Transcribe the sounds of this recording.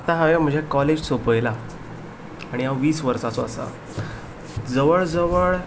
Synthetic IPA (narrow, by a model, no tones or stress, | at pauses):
at̪aɦaʋem̤ə̃d͡zʱekɔled͡ʑsopəjla | aɽ̃iawʋiːsʋəɾsat͡sɔasa̰ | d͡zəʋəɭd͡zəʋəɭ